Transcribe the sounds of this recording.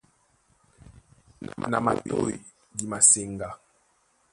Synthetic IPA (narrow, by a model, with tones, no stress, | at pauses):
na̰˨ma̰˨ɓo˦˨i˨ | di˨ma˨se˨ŋɡa˨